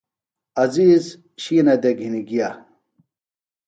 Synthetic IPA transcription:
ɐziːz | ɕiːnɐd̪eɡʱiniɡija

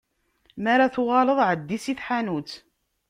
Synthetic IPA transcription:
maɾaθʊʁɑləðˤʕəd̪ːisiθħanut͡s

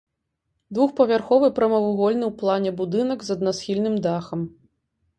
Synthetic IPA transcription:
d̪vuxpɐvʲarxɔvɨpɾɐmɐvuɣɔlʲnɨwplˠanʲɛbud̪ɨnɐɡzɐd̪̚nasxʲilʲnɨmd̪axɐm

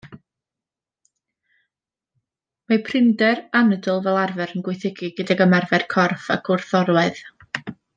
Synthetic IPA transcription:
mapʰrɪmdɛranədɔlˠvɛlˠarvɛɾənɡwɪɨθɪɡiɡədaɡəmarvɛrkʰɔrfakʰʊrθɔɾwɛð

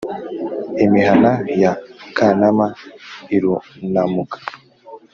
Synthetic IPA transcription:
imihanajakʰanamaiɾunamukḁ

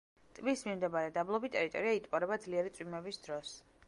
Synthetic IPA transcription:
t̪ʼmismimd̪ɛbaɾɛd̪ablˠɔbit̪ʼɛɾit̪ʼɔ̰ɾiait̪ʼpʼɔɾɛbad̪zliɛɾit̪sʼwimɛbisd̪̥ɾɔs

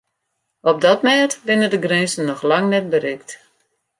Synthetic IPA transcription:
ɔb̚dɔtmɛːtʋɪnədəɡrɛnsən̩ːɔxlaŋnɛt̚bəɾɪkt

